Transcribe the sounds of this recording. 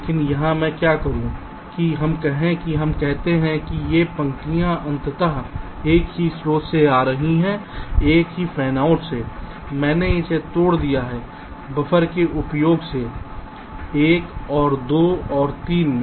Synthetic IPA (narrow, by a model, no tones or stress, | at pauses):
lekɪnjɐɦãmɛ̃kjakɐɦũ | kiɦɐmkɛɦẽkiɦɐmkɛɦt̪eɦɛ̃kijepɐ̃ŋkijãʔɐ̃nt̪ət̪aɦ | eːkɦisɾoːt̪seaːɾɐɦiɦɛ̃eːkɦifʰɛːnaːʊʈse | mɛ̃ːneɪset̪oːɽd̪ijaɦɛ | bɐfʰəɾkeʔʊpjoːɡse | eːkɔːɾd̪oːɔːɾt̪iːnmẽ